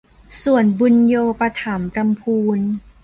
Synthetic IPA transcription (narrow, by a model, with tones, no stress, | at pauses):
su˨˩ənbu˧njoː˧pa˧t̪ʰa˩˦mpɾa˧mpʰuː˧n